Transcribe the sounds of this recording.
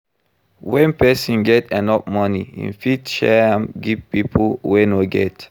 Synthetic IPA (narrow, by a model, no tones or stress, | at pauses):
wɛ̃npɛsɔ̃nɡɛtɛ̃nɔp̚mɔniḭ̃nfitʃɛãmɡivpipʰəwɛ̃noɡɛ̰t